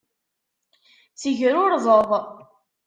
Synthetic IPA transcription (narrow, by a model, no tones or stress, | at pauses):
t͡səʝɾʊɾðˤəðˤ